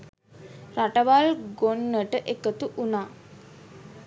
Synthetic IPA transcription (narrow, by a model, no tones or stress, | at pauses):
raʈəʋalɡonːəʈəʔekət̪uʔunaː